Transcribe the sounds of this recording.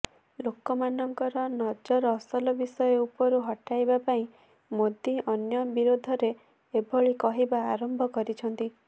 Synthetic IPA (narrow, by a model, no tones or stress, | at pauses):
lokɔmanɔŋkɔɾɔnɔd͡ʒɔɾɔsɔlɔbisɔjɔupɔɾuɦɔʈajbapaĩ | mod̪iʔɔnjɔbiɾod̪ʱɔɾe | ebʱɔɭikɔɦibaːɾɔmbʱɔkɔɾit͡ʃʰɔnt̪i